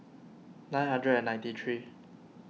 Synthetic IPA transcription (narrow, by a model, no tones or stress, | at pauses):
nãj̃nhãndɹɛɛnãɪ̃nt̪itʰɹi